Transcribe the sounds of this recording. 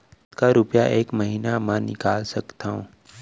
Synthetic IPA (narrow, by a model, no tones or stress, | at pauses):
skaɾʊpjaʔeːkməɦiːnamãnɪkaːlsɐkt̪aɦõː